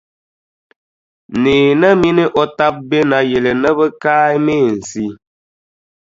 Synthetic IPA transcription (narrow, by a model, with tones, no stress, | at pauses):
niː˨nə˦mi˦ni˦ʔɔ˦ta˦p̚be˦na˨je˨le˨nə˦bə˦ka˦jme˦˨n̩˨si˦